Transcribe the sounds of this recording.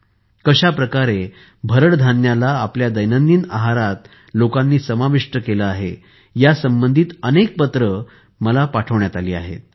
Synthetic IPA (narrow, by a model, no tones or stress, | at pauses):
kəɕapɾəkaɾe | bʱəɾəɽd̪ʱanjalaːpljad̪əjnənd̪iːnaɦaɾat̪ | lokãnːiːsəmaʋiʂʈəkeləaɦe | jasəmbənd̪ʱiːt̪ənek̚pət̪ɾə | məlapaʈʰəʋɳjat̪aliːa̰ɦḛt̪̚